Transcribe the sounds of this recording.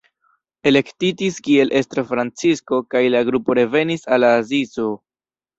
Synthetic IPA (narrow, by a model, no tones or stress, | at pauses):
e̞le̞ktitiskie̞lʔe̞stɾofɾant͡sisko̞kajlaɡɾupo̞ɾe̞ve̞nisalaːzizo